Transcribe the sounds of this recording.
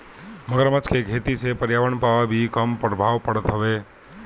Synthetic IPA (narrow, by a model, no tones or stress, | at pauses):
məɡəɾmət͡ʃkʰeɡʱet̪isepəɾjaʋəɳpaʋabʱikəmpɾəbʱaʋpəɽət̪ɦəʋe